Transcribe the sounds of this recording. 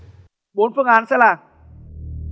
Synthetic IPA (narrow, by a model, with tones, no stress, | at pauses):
bu˨˦npʰɯ˧˩˨ʔaː˨˧˦nsa˧˦la˧˩˨